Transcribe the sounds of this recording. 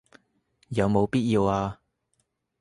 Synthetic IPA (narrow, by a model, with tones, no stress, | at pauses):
jɐ˨˧wmo˨˧wpiː˥t̚jiː˧waː˧